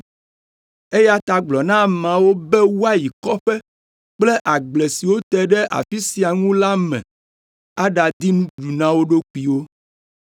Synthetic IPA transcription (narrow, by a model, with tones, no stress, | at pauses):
e˦ja˦t̪a˨ɡ͡blɔ˨nã˦mã˨wo˦bɛ˦wu˦a˦ji˨kɔ˦ɸɛ˦ | k͡ple˦ʔa˨ɡ͡ble˨si˨wo˦t̪ɛ˦ɖɛ˦ʔa̰˨fi˦si˨a˨ŋũ˦la˦mɛ̰̃˨ | a˦ɖa˨d̪i˦mũ˦ɖu˨nã˦wo˦ɖo˦k͡pi˨wo˦